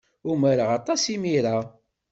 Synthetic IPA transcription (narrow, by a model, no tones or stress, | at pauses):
ʊmaɾaʁɑt̪ˤɑsimiɾa